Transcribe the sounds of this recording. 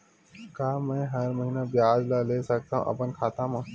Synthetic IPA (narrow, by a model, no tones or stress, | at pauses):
kaːmɛ̃ːɦɐɾməɦiːnabɪjaːd͡ʒlaleːsɐk̚t̪aːɦṵ̃ʔɐ̰pənkʰaːt̪ãmãː